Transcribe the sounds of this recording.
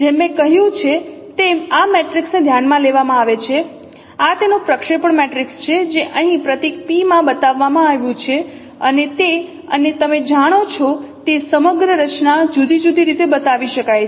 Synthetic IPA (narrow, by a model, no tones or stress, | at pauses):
d͡ʒemẽkəɦjũt͡ʃʰet̪eameʈɾiksned̪ʱjanmãleʋamãaʋet͡ʃʰe | at̪enopɾəkʃepəɳmeʈɾikst͡ʃʰed͡ʒeʔəɦĩpɾət̪ik̚pimãbət̪aʋːamãaʋjũt͡ʃʰe | ənet̪e | ə̰net̪əmed͡ʒaɽ̃ot͡ʃʰɔt̪esəməɡɾəɾət͡ʃnad͡ʒud̪ʱid͡ʒud̪ʱiɾit̪ebət̪aʋiʃəkaj